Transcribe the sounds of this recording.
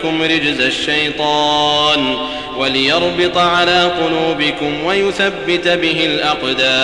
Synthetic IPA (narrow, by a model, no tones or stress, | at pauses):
kʊmɾɪd͡ʒzaʃːajt̪ˤɑːn | walɪjɑɾˤbɪt̪ˤʕalaːqʊluːbɪkʊmwajʊθabːɪt̪bɪɦɪlʔɑqd̪aː